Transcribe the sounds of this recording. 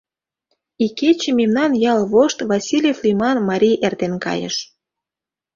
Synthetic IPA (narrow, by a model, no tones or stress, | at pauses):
iket͡ɕĕmemnɑnjɑlβoʃt̪vɑsʲilʲeflimɑnmɑɾʲiʔert̪enkɑ̰jə̰ʃ